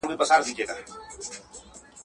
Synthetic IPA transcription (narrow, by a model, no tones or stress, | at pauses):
bipɐsaːɾd̪iːd͡ʒeːɡaː